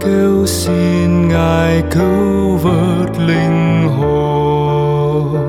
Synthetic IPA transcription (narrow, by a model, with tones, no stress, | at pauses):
ke˧wsi˧nŋaː˨˩jkɨ˧˦ | və˧˦t̚li˧ŋɦo˨˩